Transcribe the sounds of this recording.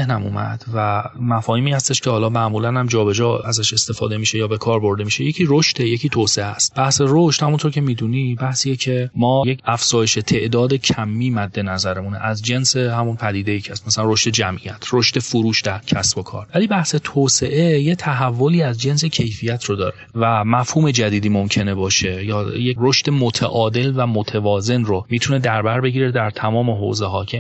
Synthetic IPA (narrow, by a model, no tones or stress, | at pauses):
hnæmṵːmæ̰d̪̥væmæfɒːhiːmiːhæst̪e̞ʃcʰehɒːlɒːmæʔmuːlænhæmd͡ʒɒːbe̞d͡ʒɒːæzæʃe̞st̪e̞fɒ̰ːd̪e̞miːʃe̞jɒːbe̞kʰɒːɾbo̞ɾd̪e̞miːʃejecʰiːɾoʃt̪e̞jecʰiːt̪ʰoːseʔeæ̰st̪̚b̥æhse̞roʃt̪hæmunt̪ʰoɾcʲʰe̞miːd̪uːnibæhsiːjecʰe̞mɒːjecʰæfz̥ɒːje̞ʃe̞t̪ʰe̞ʔd̪ɒːd̪e̞cʰæmːiːmæd̪ːe̞næzæɾemunḛʔæzd͡ʒe̞nse̞hæmunpʰæd̪iːd̪e̞jicʰæst̪mæsælænroʃt̪e̞d͡ʒæmʔijæt̪ʰɾoʃt̪e̞foɾuːʃd̪æɾcʰæsbo̞kʰɒ̰ːɾvæliːbæhset̪ʰoːse̞ʔe̞jet̪ʰæɦævːo̞liːæzd͡ʒe̞nse̞cʰe̞jfijæt̪ʰɾod̪ɒ̰ːɾevæmæfhuːme̞d͡ʒæd̪iːd̪iːmomcʰe̞ne̞bɒːʃe̞jɒːjeɾoʃt̪e̞mot̪ʰḛʔɒːd̪e̞lvæmot̪ʰevɒːze̞nromiːt̪ʰune̞d̪æɾbæɾbe̞ɟiːɾed̪æɾt̪ʰæmɒːme̞ɦo̰zeɦɒːcʰe